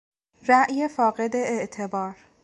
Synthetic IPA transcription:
ɾæʔje̞fɒːɣe̞d̪e̞eʔt̪ʰe̞bɒːɾ

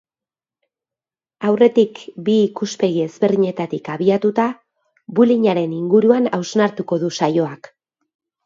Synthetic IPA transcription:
awre̞t̪ikbiːkuspe̞ɣie̞zβe̞rðiɲe̞t̪at̪ikaβiat̪ut̪a | buliɲaɾe̞niŋɡuɾuanawznaɾt̪uko̞ðusajo̞ak

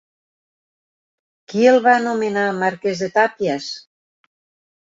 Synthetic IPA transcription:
kielˠβanomenamaɾkezðet̪apjas

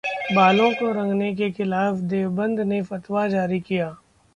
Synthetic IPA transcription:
baːlõkoɾɐ̃ŋɡnek̬exɪlaːfd̪eːʋbə̃nd̪ʱnefɐt̪wad͡ʒaːɾikijaː

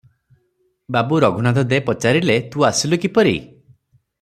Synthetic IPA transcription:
babuɾɔɡʱunat̪ɔd̪epɔt͡ʃaɾilet̪uasilukipɔɾḭ

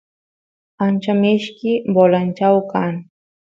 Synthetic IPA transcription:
ant͡ʃamɪʃkɪbolant͡ʃawkaŋ

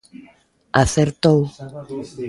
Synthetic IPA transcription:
aθeɾt̪ow

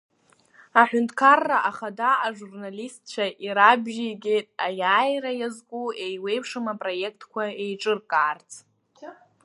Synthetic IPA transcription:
aħʷᶣʊntʰkʰarːaʔaχadaːʐurnalistʰt͡ʃʷʰaʔiɾabʒiɡʲejtʼajaːjrajazkʷʼuejwe̞jpʰʂɨmapʼro̞jekʰtʰkʷʰaejʈ͡ʂʼɨrkʼaːrt͡sʰʼ

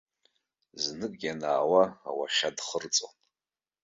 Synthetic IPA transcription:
znɨkʼɡʲanaːwaa̰wa̰ʃadχərt͡sʼon

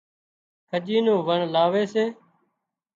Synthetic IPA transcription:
kʰəʄiːnõːʋəɳlaːʋeːseː

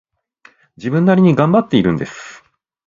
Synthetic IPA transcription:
d͡ʑibɯ̟̃nːaɾʲiɲ̟iɡãmbat̪ːe̞iɾɯ̟̃nd̪e̞sɨ̥

